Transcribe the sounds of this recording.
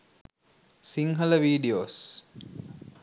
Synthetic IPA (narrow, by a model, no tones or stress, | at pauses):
siŋɦələʋiːɖioːs